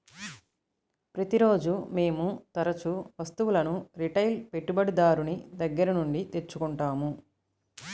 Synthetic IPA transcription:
pɾɐt̪iɾo̞ːd͡ʒume̞ːmut̪ɐɾɐt͡ʃuʋɐst̪uʋulɐnuɾiʈɐjlpe̞ʈːubɐɽid̪aːɾunid̪ɐɡːɐɾɐnuɳɖit̪e̞ɾt͡ʃːukuɳʈaːmu

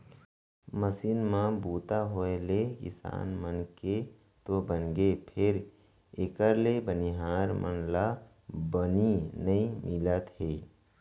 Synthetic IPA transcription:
məsiːnmãbuːt̪aɦoelekɪ̰sa̰ːnmənke | t̪obənɡepʰɪɾ | ekəɾlebəniɦaːɾmə̰nla | bəninəĩmɪlət̪ɦeː

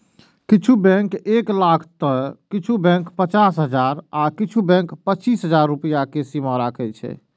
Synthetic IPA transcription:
kit͡ʃʰubɛ̃keklakʰt̪əkit͡ʃʰubɛ̃ŋkpət͡ʃasɦəd͡ʒaɾakit͡ʃʰubɛ̃kpətːt͡ʃisɦəd͡ʒaɾːupəjakesimɔ̃ɾakʰɛt͡ʃʰɛ̰

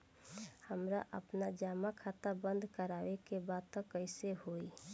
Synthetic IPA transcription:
həmɾaʔə̰pnad͡ʒaːmakʰaːt̪abə̃nd̪ʱkəɾaːʋekebaːd̪̚t̪əkːəɪseɦoːi

